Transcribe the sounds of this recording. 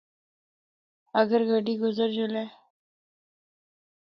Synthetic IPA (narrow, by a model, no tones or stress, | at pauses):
əɡəɾɡəɖiːɡʊzəɾd͡ʒʊlɛː